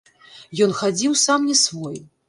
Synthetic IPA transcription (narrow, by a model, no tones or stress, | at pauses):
jɔnxad͡zʲiwsamnʲɛsvɔj